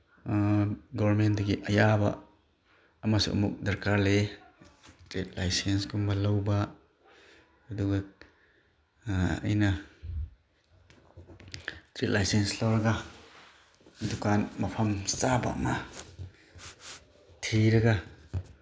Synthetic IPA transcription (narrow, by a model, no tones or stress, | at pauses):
ɡɔbɐɾment̚dɐɡiʔɐjabɐ̰ː | masṵʔɐ̰muk̚dɐɾkaɾle | tɾet̚lajsensɡumbɐlɐwbɐ | ɐduɡɐ | ɐ̰jnɐ | tɾet̚lajsenslawɾɐɡa | dukanmɐpʰɐmt͡ʃabɐ̰ɐ̰ma | tʰiɾɐɡa